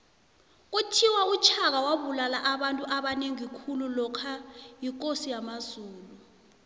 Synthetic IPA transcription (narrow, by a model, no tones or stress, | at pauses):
k̬utʰiwaut͡ʃʰak̬awaɓulalaʔaɓantʼuʔaɓaneŋikʰululɔkʰajik̬ʼosijamazuːlu